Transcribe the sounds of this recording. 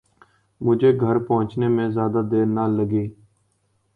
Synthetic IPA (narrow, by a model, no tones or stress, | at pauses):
mʊd͡ʒʱeːɡʱəɾpəɦʊ̃t͡ʃneːmẽːzjaːd̪aːd̪eːɾnaːləɡeː